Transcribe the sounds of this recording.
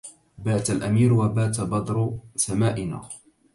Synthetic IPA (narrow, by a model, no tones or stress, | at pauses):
baːt̪alʔamiːɾwabaːt̪̬abɑd̪ˤɾsamaːʔɪna̰ː